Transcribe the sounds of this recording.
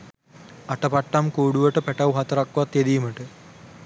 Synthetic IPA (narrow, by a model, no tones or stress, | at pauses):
ɐʈːɐpɐʈːɐmkoːɽuʋɐʈːɨpeʈːɐwɦɐt̪ːɐɾɐkːuʋɐt̪ed̪ijumɐʈːɨ